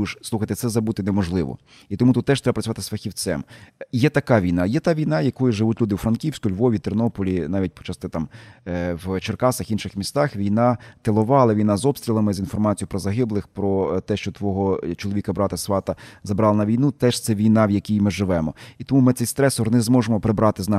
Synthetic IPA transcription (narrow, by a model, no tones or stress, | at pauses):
ʃsˠuxɐjt̪ɪt̪sɛzɐbut̪ɪnemɔʒlˠɪʋɔ̰ | it̪ɔmut̪ut̪t̪ːɛʃt̪ɾɛbpɾɐt͡sʲʋɑt̪ɪsfɐxʲiwt̪sɛ̰mjɛt̪ɐkɑʋʲijnɑjɛt̪ɑʋʲijn̪ɑjɐkɔjʊʒɪʋutʲlʲud̪ɪwfɾɐnkʲiwsʲkʊlʲʋɔʋʲit̪ɪrnɔpɔlʲinɑʋʲit̚ʲpɔ̥t͡ʃɑst̪ɪt̪ɑm | wt͡ʃerkɑsɐxinʃɪxmʲist̪ɑxʋʲijnɑt̪elˠʊʋɑlˠɐʋʲijn̪ɑzɔpst̪ʲɾʲilˠɐmɪzinfɔrmɑt͡sʲijʊpɾɔzɐɦɪblˠɪxpɾɔt̪ɛʃt͡ʃɔt̪ʋɔɦɔt͡ʃɔlˠɔʋʲikɐbɾɑt̪ɐsʋɑt̪ɐzɐbɾɑlˠɐnɐʋʲijnut̪ɛʃt̪sɛʋʲijn̪ɑwjɐkʲijmɪʒɪʋɛmɔit̪ɔmumɪt̪sɛjst̪ɾɛsɔrnɛzmɔʒemɔpɾɪbɾɑt̪ɪznɑ